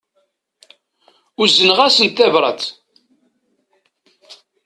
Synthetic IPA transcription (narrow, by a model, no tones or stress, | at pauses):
ʊzənʁæsənt̪ːævɾˤə̰t̪